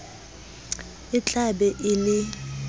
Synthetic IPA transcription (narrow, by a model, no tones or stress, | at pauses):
ɪt͡ɬʼaɓɛʔɪlɪ